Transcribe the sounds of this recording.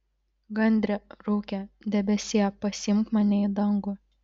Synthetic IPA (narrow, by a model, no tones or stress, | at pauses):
ɡɐnʲd̪ʲɾʲɛɾuːkʲɛd̪ʲɛbʲɛsʲeːɛpɐsʲɪmkmɐnʲɛid̪ɐŋɡʊ